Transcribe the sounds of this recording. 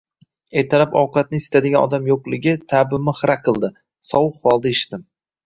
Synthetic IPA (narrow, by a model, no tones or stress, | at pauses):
e̞ɾt̪ʰaɾapɒwqɑt̪̚nɪɪst̪ad̪ɪɡʲanɒ̰d̪amjoqlˠɪɡʲɪt̪ʰabɪmɪχɾaqʰɨlˠd̪ɪ | sɒwʊqːɒlˠd̪aeʃɪ̥t̪ɪm